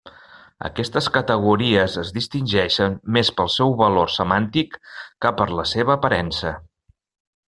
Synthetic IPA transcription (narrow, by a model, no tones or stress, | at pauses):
ə̰kɛst̪əskət̪əɣ̞uɾiəzəzðist̪inʲʒɛʃənmːespəlˠsɛwβəlorsəmant̪ikːəpəɾləseβəːpəɾɛnsə